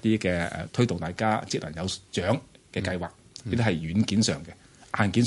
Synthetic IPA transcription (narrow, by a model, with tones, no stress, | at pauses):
t̪iː˥kɛː˧ɛ̰˨˧t̪ʰɵ˥ɥt̪ʊ˨ŋt̪aː˨˩jkaː˥t͡si˨˧k̚lɐ˨˩njɐ˨˧wt͡ʃœː˨˥ŋkɛː˧kɐ˧jwaː˨k̚iː˥t̪iː˥hɐ˨jɥyː˨˧nkiː˨˥nsœː˨˩ŋkɛ˧ | ʔaː˨˩nkiː˨˥n